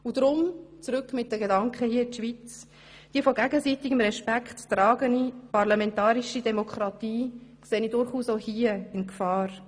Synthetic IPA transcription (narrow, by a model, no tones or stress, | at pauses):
ud̪ɾʊmt͡sɾʏkmɪt̚d̥əɡedɑŋkχəhiːəɪtʃʋit͡s | d̥iəfɔɡæɡəsiːtɪɡ̥əmɾɛʃpækχtːrɑːɡənipɑɾlɑmɛntɑːɾiʃidɛmɔkʰɾɑt̪iːkseːnidʊɾχuːsohiːəɪnkfɑːɾ